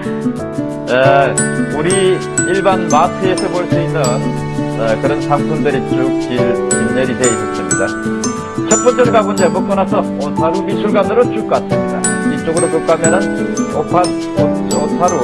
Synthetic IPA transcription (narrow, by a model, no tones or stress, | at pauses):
e | uɾiː | ɭbanmatʰɯesʰʌbojɭsuinːɯn | ekɯɾʌnsʰamsʰundɯɾit͡ɕut͡ɕiɾinːeɾiɦeis͈ʌs͈ɯmɲida̰ | t͡ɕʰʌp͈ʌnt͡ɕ͈ʌɾkaɡond͡ʑekɯk͈ʌnasʰʌ | osʰaɾumisʰuɭɡanɯɾot͡ɕuk͈as͈ɯmɲidait͡ɕ͈oɡɯɾokɯk͈amenanopʰat | o | onsʰaɾu